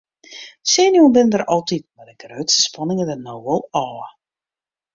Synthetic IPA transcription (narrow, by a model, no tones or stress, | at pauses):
senjubɪnədəɾɑlˠtit̚mɛdəɡrøːtsə̥spɑnɪŋədənowʋəlˠɔː